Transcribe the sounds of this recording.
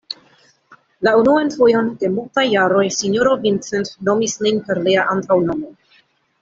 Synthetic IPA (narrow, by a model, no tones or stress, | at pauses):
launuanfojo̞nde̞multajːaɾo̞jsinjoɾovint͡sentno̞misninpe̞ɾliaʔantawno̞mo